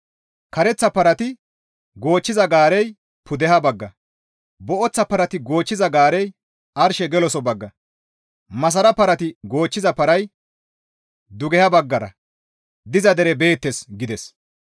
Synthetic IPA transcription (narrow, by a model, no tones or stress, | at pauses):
kɐɾɛt͡sːɐpɐɾɐt̪ɪ | ɡo̞ːt͡ʃːɪzɐɡaːɾɛj | pʰʊd̪ɛɦɐbɐɡːɐ | bɔʔɔt͡sːɐpɐɾɐt̪ɪɡo̞ːt͡ʃːɪzɐɡaːɾɛj | ʔɐɾʃɛɡɛlɔsɔbɐɡːɐ | mɐs̬ɐɾɐpɐɾɐt̪ɪɡo̞ːt͡ʃːɪzɐpɐɾɐj | d̪ʊɡɛhɐbɐɡːɐɾɐ̰ | d̪ɪzɐd̪ɛɾɛbe̞ːt̪ːɛsɡɪd̪ɛs